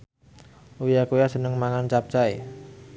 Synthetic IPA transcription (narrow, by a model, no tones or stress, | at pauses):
ujakujasənəŋmaŋant͡ʃap̚t͡ʃae